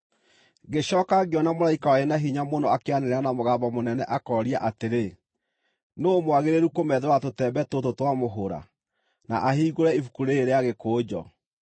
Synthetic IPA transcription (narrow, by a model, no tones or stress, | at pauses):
ɡeɕɔːkaɣeɔnamoɾaikawaenaɦiɲamonɔakeaneɾeɾanamoɣaːbɔmonɛnɛ̰ʔakɔɾiaʔateɾe | noːmwaɣeɾeɾukomɛðewatotɛːbɛtototwamoɦoɾa̰ | na̰ʔahiːɣoɾɛifukuɾeːɾeaɣekoːd͡ʑɔ̰